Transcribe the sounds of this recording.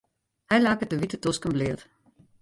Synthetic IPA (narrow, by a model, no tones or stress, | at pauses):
hɛjlaːkətəʋitətɔskənblɪət